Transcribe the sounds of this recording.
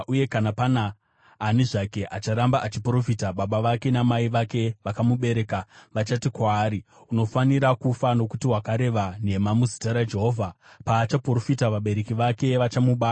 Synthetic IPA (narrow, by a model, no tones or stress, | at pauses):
uje̞kanapanaː | niʐake̞ʔat͡ʃaɾambaʔat͡ʃipro̞fitaɓaɓaʋake̞namaiʋake̞ʋakamuɓe̞ɾe̞kaʋat͡ʃatikwaːɾi | uno̞faniɾakufano̞kutiwakaɾe̞ʋane̞mamuzitaɾad͡ʒe̞ɦo̞ːvʱa | paːt͡ʃapro̞fitaʋaɓe̞ɾe̞kiʋake̞ʋat͡ʃamuɓa